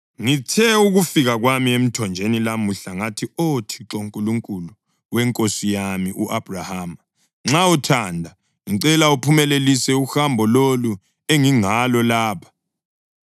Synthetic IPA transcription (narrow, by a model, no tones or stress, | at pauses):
ŋitʰɛuɣufiɣaɣwamiem̩tʰɔnd͡ʒʱenilamuɬaŋatʰiotʰi̥ǁoŋkʼuluŋkʼulu | wɛŋkʼosijamiʔuʔab̥ʱrahaːm | ŋ͡ǁautʰandʱa | iǀɛlaupʰumɛlelisɛuxambʱɔlolu | eŋiŋalɔlaːpʰḁ